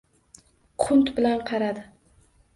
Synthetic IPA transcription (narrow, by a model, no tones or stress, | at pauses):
qʰʊnt̪bɪlanqʰɑɾad̪ɪ